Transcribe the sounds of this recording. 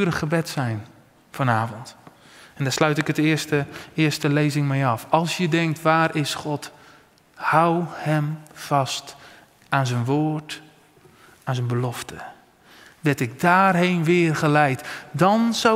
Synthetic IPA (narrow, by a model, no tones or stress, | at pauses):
ɾəχəbɛtsɛjn | fɔnaːvɔnt | ɛndaːslœɥtɪkətɪːstəɪːɹstəlejzɪŋmɛjɑfɑlˠsjədɛŋk̚tʋaːrʔɪsχɔt | hawhɛmfɑst | aːnzənʋoːrt | aːnzənbəlɔftə | ʋɛɹtɪk̚daːrɦejnʋɪːrχəlɛjtdɑnza